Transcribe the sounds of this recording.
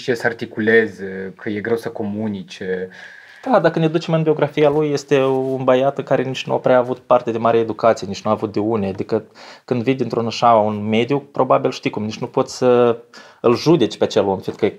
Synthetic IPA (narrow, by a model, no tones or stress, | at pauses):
ʃiesəart̪ikule̞zkʰəje̞ɡɾe̞wsəko̞munit͡ʃe | d̪̥ad̪akəned̪ut͡ʃe̞mɨnbio̞ɡɾafijalujːe̞st̪e̞unbajat̪ɨŋkaɾe̞nit͡ʃnua̰pɾeaːvut̪part̪e̞d̪emaɾeeed̪ukat̪sije̞nit͡ʃnuaːvut̪̚d̪eunead̪ikəkɨnd̪vind̪ʲint̪ɾunaʃaunme̞d̪jupɾo̞babilʃt̪ikumnit͡ʃnupo̞t̪sʲsə | ɨlʒud̪e̞t͡ʃʲpeat͡ʃe̞lomfint̪kəe